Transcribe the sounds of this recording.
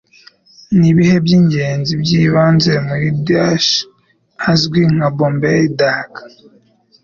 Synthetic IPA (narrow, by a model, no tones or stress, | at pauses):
niβihebɟiːɲɟe̞ːnzibɟiːβaːnzemujudaʃ | azɡwiŋ̥abombeidakḁ